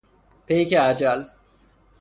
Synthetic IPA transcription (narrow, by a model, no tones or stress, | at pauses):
pejkead͡ʒal